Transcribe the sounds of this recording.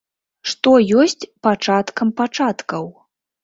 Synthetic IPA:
ʂt̪ɔjɔsʲt͡sʲpat͡ʂat̪kɐmpat͡ʂat̪kɐw

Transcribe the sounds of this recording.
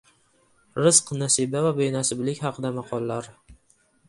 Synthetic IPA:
ɾɪz̥qnasibavabejnasɪblɪkʲhɑqʰɨd̪amɑqʰɒlˠːaɾ

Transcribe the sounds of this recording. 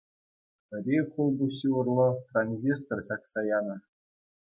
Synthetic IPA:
ɘ̆rʲeχulˠbuɕʲiɤ̆rlˠɤ̆tranʲzʲest̪ŏrɕɑksɑjɑnɤ̆

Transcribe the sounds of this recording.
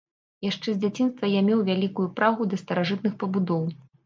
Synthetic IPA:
jaʂt͡ʂɛzʲd͡zʲat͡sʲinst̪vɐjamʲɛwvʲalʲikujupɾaɣud̪ɐst̪ɐɾaʐɨt̪̚nɨxpɐbud̪ɔw

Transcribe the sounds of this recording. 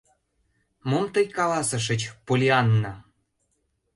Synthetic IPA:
momt̪əjkɑlɑsɤ̆ʃ̬ə̆t͡ɕpolʲiɑnːɑ

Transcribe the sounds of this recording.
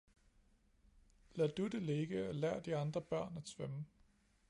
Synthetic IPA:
læd̥ude̝le̝ɡ̥əɒlæɐ̰d̥iɑ̈nd̥ʁɐb̥ɶɐ̰næd̥sʋœmə

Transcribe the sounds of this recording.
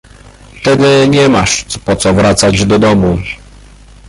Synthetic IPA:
t̪ɛd̪ɘɲɛmaʂpɔt̪sɔvɾat̪sad͡ʑd̪ɔd̪ɔmu

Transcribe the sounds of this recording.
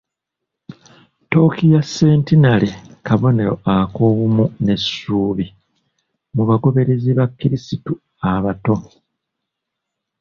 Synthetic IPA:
to̞ːkijasːe̞ːntinalekaβo̞ne̞ɾo̞̰ako̞ːβumune̞sːuːβi | muβaɡo̞βe̞ɾe̞ziβakːiɾisitu | aβato̞

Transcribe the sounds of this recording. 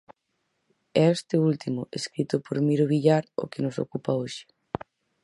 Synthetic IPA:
ɛest̪ɪult̪imʊeskɾit̪ʊpoɾmiɾoβiʎaɾo̰kɪnʊso̰kupaoʃɪ̥

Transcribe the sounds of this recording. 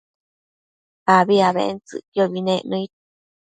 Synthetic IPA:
paβiaβḛʔent͡sɨ̰kjoβinẽʔnõit̪

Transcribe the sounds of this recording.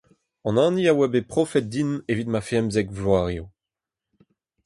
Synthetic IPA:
ɑ̃nɑ̃ːniawabepχɔfɛt̪̚d̪inevit̪mafeɛmzɛkvlwaːʁjo

